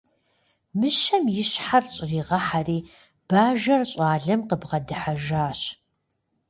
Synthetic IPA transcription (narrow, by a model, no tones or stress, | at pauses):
mɨʃɐmjɪɕħarɕʼɪriːʁɐħariː | b̥aːʒɐrɕʼɑːɮɐmqəbʁɐdɨħaʒaːɕ